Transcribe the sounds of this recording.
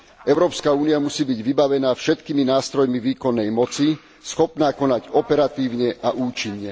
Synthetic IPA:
ʔɛʊɾɔːpskauːniamusiːbiɟʋibaʋɛnaːfʃɛt̪kiminaːst̪ɾɔjmiʋiːkɔnːɛjmɔt͡si | sxɔpnaːkɔnaɟɔpɛɾat̪iːʊɲɛʔaʔuːt͡ʃiɲɲɛ

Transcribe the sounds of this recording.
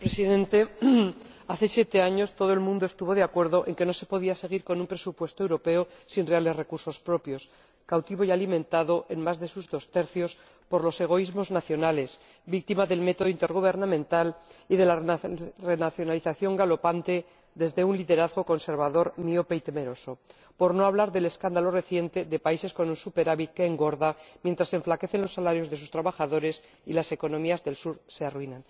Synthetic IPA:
pɾesiðẽ̞nt̪e̞ | aθe̞sje̞t̪e̞aɲo̞st̪o̞ð̞oe̞lmũnd̪oe̞st̪uβo̞ðeakwe̞ɾðo̞ʔe̞ŋke̞no̞se̞po̞ð̞iase̞ɣ̞iɾko̞nũmpɾe̞supwe̞st̪oe̞wɾo̞pe̞osinre̞ale̞zre̞kuɾso̞spɾo̞pjo̞s | kawt̪iβ̞o̞jalimẽnt̪aðo̞ʔenmazðe̞suzðo̞st̪e̞ɾθjo̞s | po̞ɾlo̞se̞ɣ̞o̞izmo̞znaθjo̞nale̞z | bik̚t̪imaðe̞lme̞t̪oðoint̪e̞ɾɣ̞uβ̞e̞ɾnamẽnt̪aliðe̞lare̞naθjonaliθaθjo̞ŋɡalo̞pant̪e̞ | ðe̞zðe̞unliðe̞ɾaðɣoko̞nse̞ɾβaðo̞ɾmiopeit̪e̞me̞ɾo̞so̞ | po̞ɾno̞aβlaɾðe̞le̞skand̪alo̞re̞θje̞nt̪e̞ðe̞paise̞sko̞nunsupe̞ɾaβit̪̚ke̞ːŋɡo̞ɾðamjent̪ɾase̞ɱflake̞θe̞nlo̞sːalaɾjo̞zðes̬ust̪ɾaβaxaðo̞ɾe̞s | ilase̞ko̞nõ̞miazðe̞lsuɾsearwinãn

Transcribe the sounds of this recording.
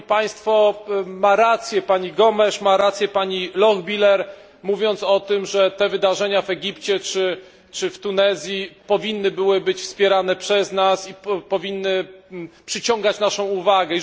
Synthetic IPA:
paj̃st̪fɔmaɾat̪sʲjɛpaɲiɡɔmɛʂmaɾat̪sʲjɛpaɲilɔɣbʲilɛɾ | muvʲjɔnt̪sɔt̪ɘmʐɛt̪ɛvɘd̪aʐɛɲavɛɡʲipt͡ɕɛt͡ʂɘ | t͡ʂɘft̪unɛzʲjipɔvʲinːɘbɘwɘbɘt͡ɕfspʲjɛɾanɛpʂɛznasipɔvʲinːɘpʂɘt͡ɕɔ̃ŋɡat͡ɕnaʂɔ̃w̃uvaɡɛ

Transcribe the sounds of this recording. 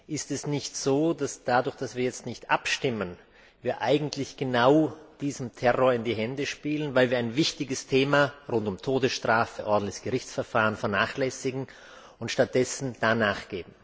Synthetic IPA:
ʔɪstɛsnɪçtz̥oːdasd̥adʊɐçd̥asv̥iːɐjɛt͡stnɪçtʔapʃtɪmən | viːɐʔaɪɡŋ̩tʰlɪçɡ̥ənaʊd̥iːzəmtʰɛʁoːɐɪndiːɦɛndəʃpiːlənvaɪlviːɐaɪnvɪçtɪɡəstʰeːmaʁʊntʊmtʰoːdəsʃtʁ̥aːfəʔɔɐdn̩tlçɪçɡ̥əʁɪçt͡sfɛɐfaːʁənfɛɐnaːχlɛsɪɡŋ̩ | ʊntʃtat̚d̥ɛsn̩d̥anaːχɡ̥eːbm̩

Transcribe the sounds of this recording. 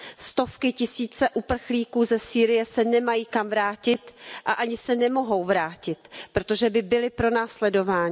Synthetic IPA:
st̪o̞fkɪcɪsiːt͡sɛʔupr̩xliːkuːzɛsiːɾɪjɛsɛnɛmajiːkamvɾaːcɪt̪ʔaʔaɲɪsɛnɛmo̞ɦo̞wvɾaːcɪt̪̚pɾot̪o̞ʒɛbɪbɪlɪpɾo̞naːslɛdo̞vaːɲ

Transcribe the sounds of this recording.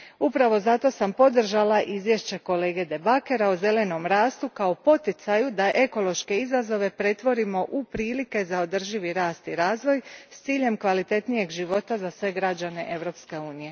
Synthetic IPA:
upɾaʋo̞zat̪o̞sampo̞d̪r̩ʒalaʔizʋjeʃt͡ɕe̞ko̞le̞ːɡe̞d̪e̞bake̞ɾaoze̞le̞no̞mɾaːst̪ukao̞po̞t̪it̪sajud̪aʔe̞ko̞lˠo̞ʃke̞izazo̞ʋe̞pɾe̞t̪ʋo̞ɾimo̞ʔupɾiːlike̞zao̞d̪r̩ʒiʋiɾaːst̪iɾaːzʋo̞jst̪siːʎe̞mkʋalit̪e̞t̪nije̞ɡʒiʋo̞t̪azasʋe̞ɡɾad͡ʑane̞ʔe̞ʋɾo̞pske̞uːnije̞

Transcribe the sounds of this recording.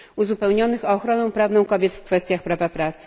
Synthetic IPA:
uzupɛwɲɔnɘxɔːxɾɔnɔ̃w̃pɾavnɔ̃w̃kɔbʲjɛt̪fkfɛst̪ʲjaxpɾavapɾat̪sɘ̥

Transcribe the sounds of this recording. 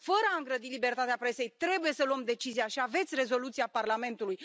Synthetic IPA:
fəɾəaɨŋɡɾəd̪ilibe̞rt̪at̪eapɾe̞se̞jt̪ɾe̞buje̞səluəmd̪e̞t͡ʃizijaʃiave̞t̪sʲre̞zo̞lut̪sijaparlame̞nt̪uluj

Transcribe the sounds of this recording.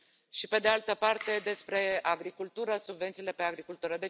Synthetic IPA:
ʃipe̞d̪ealt̪əpart̪e̞d̪e̞spɾe̞aɡɾikult̪uɾəsubve̞nt̪sile̞peaɡɾikult̪uɾəd̪e̞

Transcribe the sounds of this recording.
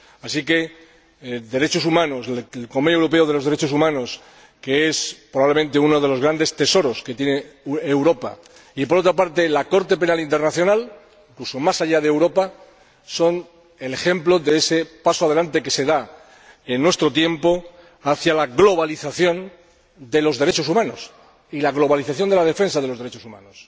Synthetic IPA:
asike̞ | d̪e̞ɾe̞t͡ʃo̞sumãno̞slkomejoewɾo̞p̬e̞oð̞e̞lo̞zðee̞t͡ʃo̞sumãno̞s | ke̞espɾoβaβle̞mẽ̞nt̪e̞uno̞ð̞e̞lo̞zɣ̞ɾand̪e̞st̪e̞so̞ɾo̞ske̞t̪jeneewɾo̞pa̰ | ip̬o̞ɾo̞t̪̬ɾapaɾt̪elako̞ɾt̪e̞pe̞nalint̪eɾnaθjo̞nal | iŋklusomasaʎað̞eːwɾo̞pa | so̞n | e̞le̞xe̞mplo̞ðeese̞pasoað̞e̞lant̪e̞ke̞se̞ða | e̞nːwe̞st̪ɾo̞t̪je̞mpo̞ | aθjalaɣlo̞βaliθaθjo̞n | d̪e̞lo̞zðeɾe̞t͡ʃo̞sumãno̞s | ilaɣlo̞βaliθaθjo̞nd̪e̞lað̞e̞fe̞nsað̞e̞lo̞zðeɾe̞t͡ʃo̞sumã̰nos

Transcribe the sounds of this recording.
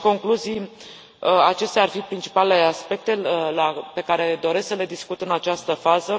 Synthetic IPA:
ko̞ŋkluzij | at͡ʃe̞st̪earfipɾint͡ʃi̥paleleeaspe̞k̚t̪e̞lape̞kaɾe̞d̪o̞ɾe̞sksəle̞d̪iskut̪ɨnat͡ʃast̪əfazə

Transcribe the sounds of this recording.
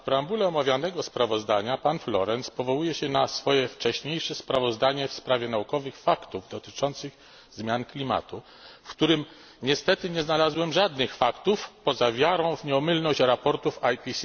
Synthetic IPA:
pɾambulɛɔmavʲjanɛɡɔspɾavɔzd̪aɲapanflɔ̰ɾɛnspɔvɔwujɛɕɛnasfɔjɛft͡ʂɛɕɲejʂɛspɾavɔzd̪aɲɛfspɾavʲjɛnaukɔvɘxfakt̪uvd̪ɔt̪ɘ̥t͡ʂɔnt̪sɘɣ | zmʲjanklʲima̰t̪u | fkt̪uɾɘm | ɲɛst̪ɛt̪ɘɲɛznalazwɛmʐad̪nɘxfakt̪ufpɔzavʲjaɾɔ̃w̃vɲɛɔmɘlnɔɕt͡ɕɾapɔɾt̪ufajpʲisʲ

